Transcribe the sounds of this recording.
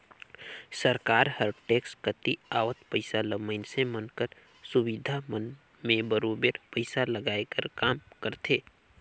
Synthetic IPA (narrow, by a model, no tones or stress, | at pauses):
səɾkaːɾhəɾʈeːkskət̪iaːʋət̪pəɪsaləməɪnsemənkəɾ | sʊwid̪ʱamən | mẽbəɾoːbeɾpəɪsaləɡaːekəɾkaːmkəɾt̪ʰeː